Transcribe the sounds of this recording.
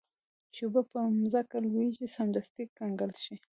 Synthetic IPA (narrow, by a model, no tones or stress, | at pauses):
t͡ʃubapəmzakalwit͡ʃisamd̪ast̪ikɡaŋɡalʃi